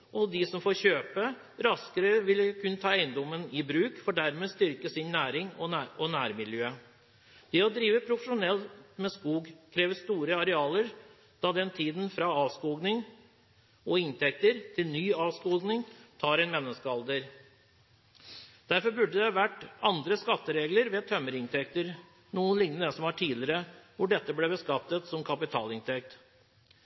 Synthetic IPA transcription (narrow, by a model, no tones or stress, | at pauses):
ʔɔd̪ɪsɔmfoːɾçøːpə | ɾɑskəɾəʋɪlkʰʉnt̪ʰɑːæɪənd̪ɔmːənɪbɾʉːkfɔɖæɾmeːst̪ʏɾkəsɪnnæːɾɪŋɔɔnæːɾmɪljøː | d̪̥ɛɔd̪ɾiːʋəpʰɾʊfəʂʊnɛlmɛskuːɡkʰɾeːʋəst̪uːɾəɑɾɛɑːləɾ | d̪̥ɑːd̪ɛnt̪ʰiːd̪nfɾɑɑːʋskuːɡnɪŋ | ɔɪnt̪ɛk̚t̪əɾt̪ʰɪlnyːɑːʋskuːɡnɪŋt̪ʰɑːɾɛɪnmɛnːəskəɑld̪əɾ | d̪̥æɾfɔɾbʉɖəd̪ɛʋæʈɑnd̪ɾəskɑt̪ːəɾeːɡləɾʋeːt̪ʰœmːəɾɪnt̪ʰɛkt̪əɾ | nuːənlɪŋnənəsɔmæʈʰiːlɪɾəʋʊɖɛt̪ːəblɛbəskɑt̪ːət̪sɔmkʰɑpɪt̪ʰɑ̰ːlɪnt̪ʰɛk̚t̪